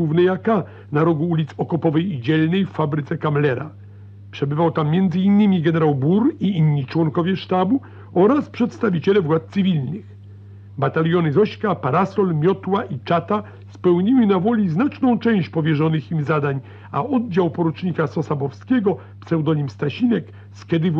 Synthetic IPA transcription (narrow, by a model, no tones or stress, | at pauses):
uvnɛjaka | naɾɔɡuulʲit̪sɔkɔpɔvɛjid͡ʑɛlnɛjfːabɾɘt̪sɛkamlɛɾa̰ | pʂɛbɘvawt̪amːjɛnd̪zɘinːɘmʲiɡɛnɛɾawbuɾiinːit͡ʂwɔŋkɔvʲjɛʂt̪abu | ɔɾaspʂɛt̪st̪avʲit͡ɕɛlɛvwat̪̚t̪sɘvʲilnɘx | bat̪alʲjɔnɘzɔɕkapaɾasɔlmʲjɔt̪waʔit͡ʂat̪a | spɛwɲiwɘnavɔlʲiznat͡ʂnɔ̃w̃t͡ʂɛ̃w̃ɕt͡ɕpɔvʲjɛʐɔnɘximzad̪aɲ | aɔd̪̚d͡ʑawpɔɾut͡ʂɲikasɔsabɔfskʲɛɡɔ | psɛwd̪ɔɲimst̪aɕinɛk | skɛd̪ɘv